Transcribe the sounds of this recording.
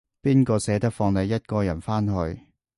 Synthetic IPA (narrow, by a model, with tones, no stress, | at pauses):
piː˥nkɔː˧sɛː˨˥t̪ɐ˥k̚fɔː˧ŋlɐ˨˧jːɐ˥t̚kɔː˧jɐ˨˩nfaː˥nɦɵ˧ɥ